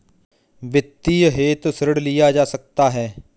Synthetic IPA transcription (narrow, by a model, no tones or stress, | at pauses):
ʋɪt̪ːiːɦeːt̪səɾəɽlɪjaːd͡ʒaːsək̚t̪aːɦɛː